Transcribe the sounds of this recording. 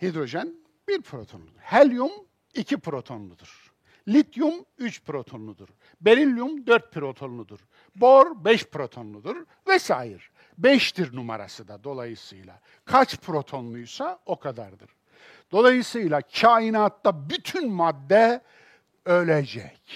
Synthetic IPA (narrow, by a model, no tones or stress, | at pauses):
hid̪ɾo̞ʒɛn | biɾpʰɾo̞t̪ʰo̞nlˠud̪ɯɾhɛlʲjum | icʰipʰɾo̞t̪ʰo̞nlˠud̪ɯɾ̥ | lʲit̪ʰjumyt͡ʃpʰɾo̞t̪ʰo̞nlˠud̪uɾ | be̞ɾilʲjumd̪øɾt̪̚pʰiɾo̞t̪ʰo̞nlˠud̪uɾ | boɾbɛʃpɾo̞t̪ʰo̞nlˠud̪ɯɾ | vɛsa̰ːjiɾ | bɛʃt̪ʰiɾnuma̰ɾa̰sɯd̪ad̪o̞lˠajɯsɯjlˠa̰ | kʰat͡ʃpʰɾo̞t̪ʰo̞nlˠujsao̞kʰad̪aɾd̪ɯɾ̥ | d̪̥o̞lˠajɯsɯjlˠacʰaːjinaːt̪ʰːabyt̪ʰynmad̪ːɛ | ølʲed͡ʒɛc